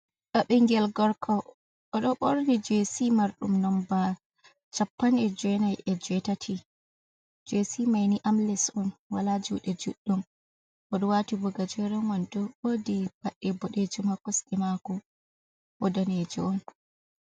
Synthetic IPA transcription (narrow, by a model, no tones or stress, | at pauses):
ɗɔɓɛŋɡɛlɡɔɾkʰɔ | ɔɗɔɓɔɾnid͡ʒesimaɾɗṵmnɔmba | t͡ʃapːanɛd͡ʒɛnajʔɛd͡ʒɛtatʰi | d͡ʒɛsimajniʔamlɛsɔnwalad͡ʒṵɗɛd͡ʒṵɗːum | ʔɔɗɔwatibɔɡad͡ʒɛɾɔmandɔbodib̥aɗːɛbɔɗed͡ʒumakːɔsɗɛmakɔ | bɔdaned͡ʒḭɔn